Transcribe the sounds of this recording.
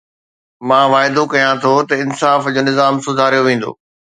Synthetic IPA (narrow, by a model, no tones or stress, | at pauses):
mãːʋaːɪd̪okɐjãt̪ʰot̪ɐɪnsaːfd͡ʑoːnɪzaːmsʊd̪ʱaːɾijoʋẽːn̆d̪o̰ː